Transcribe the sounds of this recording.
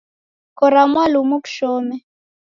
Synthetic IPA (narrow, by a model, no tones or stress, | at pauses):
kɔɾamwalumuku̥ʃɔːmɛ